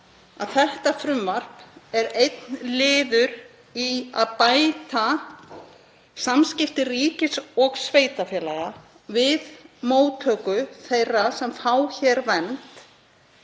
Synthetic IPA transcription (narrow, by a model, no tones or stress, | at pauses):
aðθɛht̪afɾʏmvar̥pɛɾejt̪nlɪːðʏɾ | ia̰ðpaːjt̪a | samscɪft̪ɪriːcɪsɔɣsveːjt̪afjɛːlaɣa | vɪðmoːwt̪ʰœːkʏθejrːasɛmfaːwçɛɾvɛnt̪